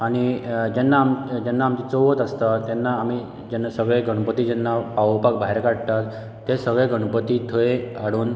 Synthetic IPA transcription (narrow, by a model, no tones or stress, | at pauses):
aɽ̃id͡ʑɛnːaːmd͡ʑɛnːaːmt͡ɕit͡soʋət̪əst̪at̪ːɛnːaːmi | d͡ʑɛnːasəɡɭeɡəɽ̃pət̪iːd͡ʑɛnːapaʋpak̚bʱaɦeɾkaɽt̪at̪ː | esəɡɭeɡəɽ̃pət̪it̪ʰəeaɽuːn